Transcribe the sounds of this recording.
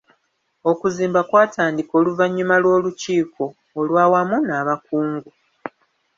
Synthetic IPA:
o̞kuziːmbakwaːtʰaːndiko̞ːluvaɲːumalwo̞ːluciːkʰo̞ː | lwaːwamunaːβakuːŋɡu

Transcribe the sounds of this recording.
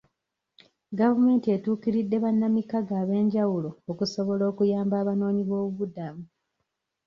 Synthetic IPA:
ɡavume̞ːntie̞tuːkiɾidːe̞βanːamikaɡaːβe̞ːɲɟawulo̞ːkuso̞βo̞lo̞ːkujaːmbaːβano̞ːɲiβo̞ːβuβudamu

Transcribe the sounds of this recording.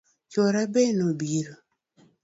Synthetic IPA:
t͡ʃoɾabenobiɾo

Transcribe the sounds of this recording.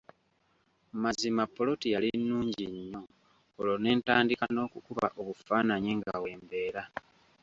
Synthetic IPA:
mazimapːo̞lo̞tijalinːuːɲɟiɲːo̞ː | lone̞ːntaːndikano̞ːkukuβa̰ʔo̞βufaːnaɲeŋɡa̰we̞ːmbe̞ːɾa

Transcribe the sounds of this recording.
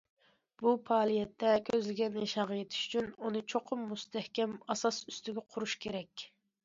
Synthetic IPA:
b̥upʰɑːlˠijɛt̪ːɛkʲʰøzlɪɡʲɛnjeʃɑʁɑjet̪ʰɪ̥ʃy̥t͡ʃʰynunɨt͡ʃʰoqʰʊmːust̪ʰɛhkʲɛmɑsɑsyst̪ɪɡʲɛqʰʊɾuʃkʲʰeɾɛkʲ

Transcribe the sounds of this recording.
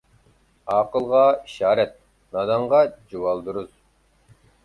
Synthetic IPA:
ɑːqəlˠʁɑiʃɑːɾɛt̪̚ | nɑd̪ɑɴʁɑd͡ʒuwɑlˠd̪uɾuz̥

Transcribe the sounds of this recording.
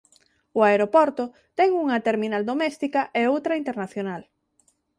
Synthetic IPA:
ʊaeɾopɔɾt̪o | t̪ɛŋuŋɐt̪eɾminald̪omɛst̪ikɐʔeowt̪ɾɐint̪eɾnaθjonal

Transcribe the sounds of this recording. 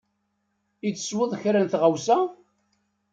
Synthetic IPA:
it͡sːə̥swəðˤçɾænθʁawsæ

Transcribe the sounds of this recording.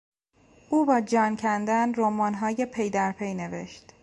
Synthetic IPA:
ʔuːbɒːd͡ʒɒːncʰænd̪ænɾomɒːnɦɒːjepʰe̞jd̪æɾpʰejne̞ve̞̰ʃt̪

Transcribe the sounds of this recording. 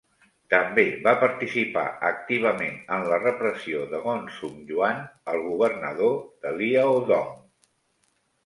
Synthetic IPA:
t̪əmbeβapəɾt̪isipa̰ək̚t̪iβ̞əmenənlərəpɾəsioðəɣɔnsumʒuanəlˠɣuβ̞ərnəðoð̥əliəoðɔm

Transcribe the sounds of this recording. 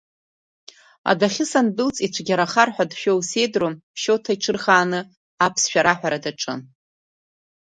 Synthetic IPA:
a̰daχʲɪsandɨlt͡sʼit͡ʃʷʰɡʲaɾaχarħʷᶣadʃᶣowse̞jdrompʰʃo̞wtʰaiʈ͡ʂʰɨrχaːnɨ | apʰsʃᶣaɾaħʷᶣaɾadaʈ͡ʂʼɨ̰n

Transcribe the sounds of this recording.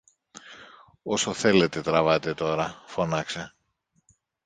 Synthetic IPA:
o̞soθe̞le̞t̪e̞t̪ɾɐvɐt̪e̞t̪o̞ɾɐfo̞nɐkse

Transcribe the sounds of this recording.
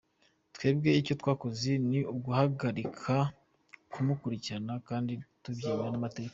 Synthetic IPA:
twe̞ːbɡe̞ico̞twaːko̞ziniubɡuhaɡaɾikʰa | kumukuɾicianakaːnditubɟiːmanamateɟeka

